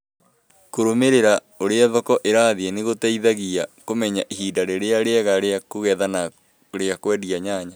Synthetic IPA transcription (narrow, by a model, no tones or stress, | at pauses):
koɾomeɾeɾa | oɾeaðɔkɔʔeɾaːðeeneɣotɛiðaɣiakomɛɲaʔiɦiːdaɾeɾeaɾeaɣaɾeakoɣɛðana | ɾeakwɛdiaɲaːɲa